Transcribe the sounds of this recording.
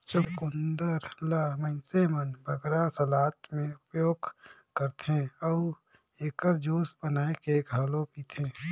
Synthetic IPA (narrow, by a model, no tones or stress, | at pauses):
t͡ʃʊkʊnd̪əɾlamənsemənbʱəɡɾasəlaːt̪mẽʊpjoːɡ | kəɾt̪ɦẽɔː | eːkəɾd͡ʒoːspənaːekeɡʱaːlopiːt̪ʰẽː